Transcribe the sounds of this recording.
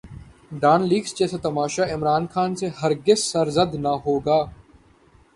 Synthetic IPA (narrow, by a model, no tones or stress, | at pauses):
ɖaːnliːɡsd͡ʒɛːset̪ɐmaːʃaɪmɾaːnxaːnseɦɐɾɡɪsːəɾzəd̪naɦoːɡaː